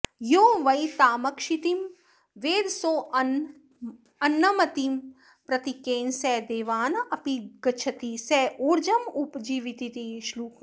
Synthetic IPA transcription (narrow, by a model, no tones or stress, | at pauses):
joːʋɐjt̪aːmɐkʃit̪im | ʋeːd̪soː | ɐnːɐmɐt̪im | pɾɐt̪ikeːnsɛd̪eːʋaːnɐpiɡɐt͡ʃʰɐt̪isɛːʔuːɾd͡ʒɐmupd͡ʒiːʋit̪it̪iʃluːk